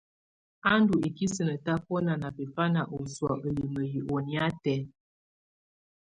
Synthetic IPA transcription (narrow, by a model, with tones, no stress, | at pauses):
a˦ndu˨e˨ki˦sə˨nə˨ta˦po˦na˨na˨pi˨fa˦na˨ʔo˨swɔ˨ʔə˨li˨mə˨ji˨ʔo˨ni˦a˦tɛ˨˦